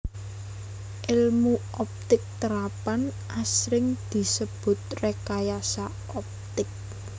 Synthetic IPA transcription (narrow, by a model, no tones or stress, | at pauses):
ʔɪlmu | ɔp̚t̪ɪk̚t̪əɾapanʔasɾɪŋd̪̥i̤səb̥ʊ̤t̪̚rekajasa | ɔp̚t̪ɪk̚